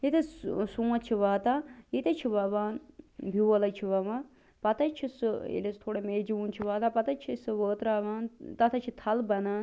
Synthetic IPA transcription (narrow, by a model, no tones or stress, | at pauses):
it̪ɐsũːɐt͡ʃʰiʋaːt̪aːit̪ɐt͡ʃʰiʋɐʋaːnbʱiʋɐlɐt͡ʃʰiʋɐʋã | pɐt̪ɐt͡ʃʰisɨḛlest̪ʰoːɽemeːd͡ʒiunt͡ʃʰiʋaːt̪apɐt̪ɐt͡ʃʰisɨʋəːt̪ɾaːʋaːnt̪ɐt̪ʰɐt͡ʃʰit̪ʰɐlbɐnaːn